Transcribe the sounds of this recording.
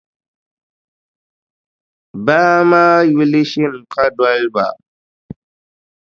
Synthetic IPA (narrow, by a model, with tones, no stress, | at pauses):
ba˦ma˦ji˦li˦ʃi˦˨n˨ka˦dwa˦lba̰˨